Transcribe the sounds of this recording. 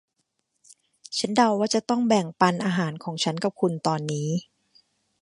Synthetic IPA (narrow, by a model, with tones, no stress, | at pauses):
t͡ɕʰa˦˥nda˧wːaː˥˩t͡ɕa˨˩t̪ɔ˥˩ŋbɛ˨˩ŋpa˧nʔaː˧ɦaː˩˦nkʰɔː˩˦ŋt͡ɕʰa˦˥nka˨˩p̚kʰu˧nt̪ɔː˧nːiː˦˥